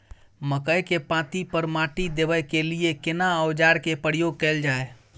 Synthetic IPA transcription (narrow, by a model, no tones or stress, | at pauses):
məkəjkepãt̪ipəɾmãʈid̪ebəjkeliekenaəwd͡ʒaɾkepəɾijoɡ̚kɛld͡ʒae